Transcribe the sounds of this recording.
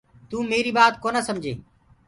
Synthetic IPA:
t̪uːmeːɾiːbaːt̪koːnaːsəmd͡ʒʱeː

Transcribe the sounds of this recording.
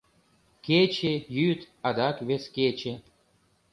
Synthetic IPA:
kʲet͡ɕejyt̪ | ɑd̪ɑkβʲeskʲet͡ɕe

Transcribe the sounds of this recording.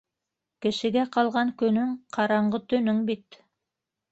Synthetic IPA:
kɘ̆ʃɘ̆ɡæqɑlˠʁɑŋkɵ̆nɵŋqʰɑɾɑɴɢɤt̪ɵ̆nɵŋbit̪

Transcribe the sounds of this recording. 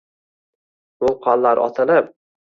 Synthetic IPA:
bʊlˠqʰɒlˠːaɾʔɒ̰t̪ʰɪlɪp̚

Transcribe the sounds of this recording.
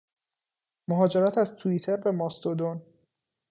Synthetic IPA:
moɦɒːd͡ʒe̞ɾæt̪ʰæzt̪ʰuit̪ʰeɾbe̞mɒːst̪od̪on

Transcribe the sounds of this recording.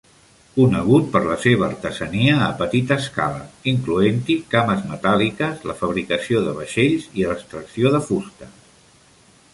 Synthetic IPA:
kunəɣ̞ut̪̚pəɾləseβ̞əːɾt̪əzəniəːpət̪it̪əːska̰lə̰iŋkluent̪ikaməzmət̪alikəzləfəβ̞ɾikəsioðə̰β̞əʃeʎziləst̪ɾəksioðəfust̪ə

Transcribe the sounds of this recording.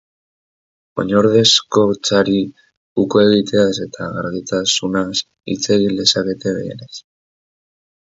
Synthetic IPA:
o̞̰ɲoɾðesko̞t͡saɾi | ukoe̞ɣ̞it̪e̞ase̞t̪ʰaɣaɾɣit̪asunas | ḭt͡se̞ɣile̞sake̞t̪e̞βe̞̰ḛɾes

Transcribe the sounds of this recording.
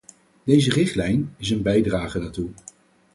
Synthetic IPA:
d̥ejzərɪχtlɛjnɪs̬ənbɛjdraːχənaːtu

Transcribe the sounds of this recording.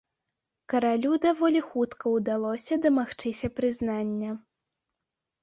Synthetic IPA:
kɐɾalʲud̪avɔlʲixut̪kʰɐwd̪alˠɔsʲɐd̪ɐmaxt͡ʂɨsʲɐpɾɨznanʲːɐ

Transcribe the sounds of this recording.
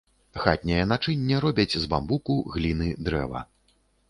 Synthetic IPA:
xa̰t̪̚ʲnʲɐjɐnat͡ʂɨnʲːɛɾɔbʲɐt͡sʲzbambukuɣlʲinɨd̪ɾɛ̰vɐ̰

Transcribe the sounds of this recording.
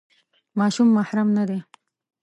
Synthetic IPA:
mɑʃumːahɾamnad̪e

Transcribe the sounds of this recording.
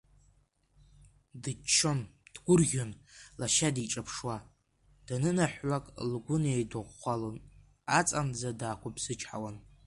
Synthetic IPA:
dɨt͡ʃʰːond̥ɡʷʊrɣʲonlaʃadiʈ͡ʂʼapʰʂwa | d̥anɨnaħʷːakʼlɡʷʊnejdɨʁːʷalon | at͡sʼand͡zadaːkʷapʰsɨt͡ʃʰʼħa̰wan

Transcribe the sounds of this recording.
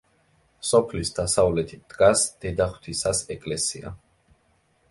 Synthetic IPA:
sɔpʰlisd̪asavlɛt̪ʰid̪̥ɡasd̪̥ɛd̪aχw̥t̪ʰisasɛkʼlɛsia̰

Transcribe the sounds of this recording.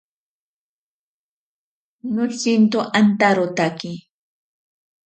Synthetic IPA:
nʊt͡sint̪oʔant̪aɾot̪akɪ

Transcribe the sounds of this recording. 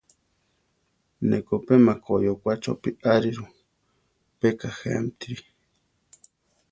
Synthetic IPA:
nekopemãkojokʷat͡ʃo̰piʔaɾiɾu | pekahḛmt̪iɾi

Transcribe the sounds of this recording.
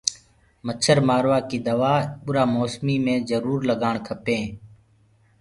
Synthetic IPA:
mət͡ʃʰəɾmaːɾʋaːkiːd̪əʋaːɓʊɾaːmoːsmiːmẽːzəɾuːɾləɡaːɳkʰəpẽː

